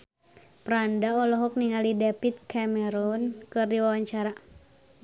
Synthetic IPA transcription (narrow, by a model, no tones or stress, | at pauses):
pɾandaɔlɔɦɔk̚niŋalidɛpit̪̚kamɛɾɔnkɨrdiwawaɲt͡ʃaɾa